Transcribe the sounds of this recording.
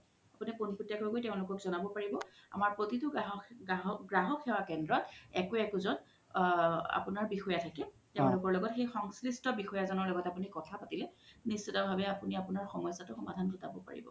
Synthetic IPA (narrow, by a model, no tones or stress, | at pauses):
apunipunputjakojkojtɛʊ̃lʊkɔkzɔnabɔpaɹibɔa̰maɹpɹotitʊɦɦɡɹaɦɔkʰːɛwakɛndɹɔtɛkoɛkʊzɔn | a̰punaɹbixɔjatʰakɛ | tɛʊ̃lʊkɔɹlɔɡɔtxejxɔŋslistɔbixɔjazɔnɔɹlɔɡɔtapunikɔtʰapatilɛnisːɔtabʱabɛapuniapʊnaɹxɔmɔjsatʊxɔmadʱantʊtabɔpa̰ɹḭbɔ̰